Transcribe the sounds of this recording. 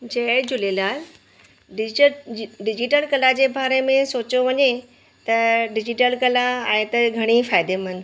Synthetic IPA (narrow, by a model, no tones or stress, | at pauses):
d͡ʑɐd͡ʑʊlelaːl | ɖɪ | ɖɪd͡ʑiʈəlkɐlad͡ʑeːbaːɾemẽsoːt͡ɕoʋɐɲe | t̪ɐɖɪd͡ʑiʈəlkɐlaẽːt̪ɐɡʱɐɽ̃ifaːɪd̪emən̆